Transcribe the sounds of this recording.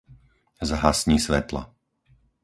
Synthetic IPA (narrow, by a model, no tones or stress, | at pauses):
zɦasɲiːsʋɛ̰t̪la̰